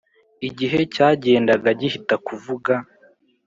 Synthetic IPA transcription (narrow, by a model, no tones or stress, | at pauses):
iɟiɦe̞caːɟe̞ːndaɡaɟihitakuvuɡa